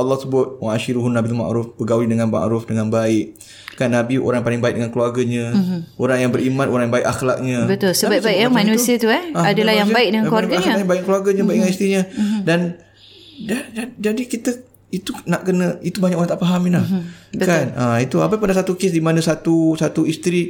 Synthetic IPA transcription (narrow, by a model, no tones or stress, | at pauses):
əlːɔhsəbʊt̪̚waaʃiɾuɦʊnːabit̪uma̰ʔɾʊfbəɡawidəŋanma̰ʔɾʊfdəŋanbaɪʔ̚ | kanːabio̰ɾaŋpalɪŋbaɪ̰k̚dəŋankluwarɡaɲə̃ʔoɾaŋjaŋbəɾimanoɾaŋjaŋbaɪʔaxlak̚ɲə̃bət̪ʊlsəbabaikjamanuət̪uɛhaadalahjabaɪk̚dəŋãkluaɡaaɲabaik̚kəluarɡaɲabaik̚dəŋanist̪iɲə̃dan | daad͡ʒadikit̪ə | it̪unaʔkənə̃it̪ubaɲakoɾaŋt̪aʔpaɦaminlahəkanait̪uapapandasat̪ukesdimanãsat̪usat̪uist̪ɾi